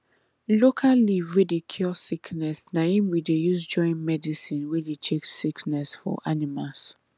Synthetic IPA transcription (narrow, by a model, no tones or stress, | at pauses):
lokʰalivɹɛdikʰjulsikʰnɛsnaĩmwidejuzd͡ʒɔ̃ɪ̃nmɛdisĩnwɛdet͡ʃʰeksiknɛsfɔ̰ʔanimas